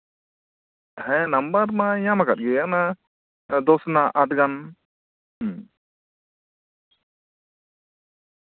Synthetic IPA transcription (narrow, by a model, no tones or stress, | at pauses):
hɛnambaɾmaɲamakat̪̚ˀɡɛana | d̪ɔsnaʔaʈ̚ɡan